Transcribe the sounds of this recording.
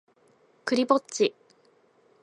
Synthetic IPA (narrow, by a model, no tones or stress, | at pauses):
kɯ̟ɾʲibott͡ɕi